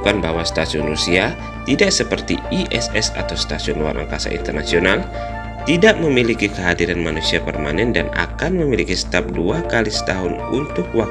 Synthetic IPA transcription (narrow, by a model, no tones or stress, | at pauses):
kanbaɦwasət̪asiʊnrusia | t̪idaʔsəpərt̪iiʔɛsɛsa̰t̪awst̪asiʊnluwa̰nʔa̰ŋkasa̰ʔḭnt̪ərnasional | t̪idaʔməmilikikəɦadiɾanmanusiapərmanɛndana̰kanməmilikist̪ap̚duakalisə̥t̪aɦʊnunt̪ʊk̚wa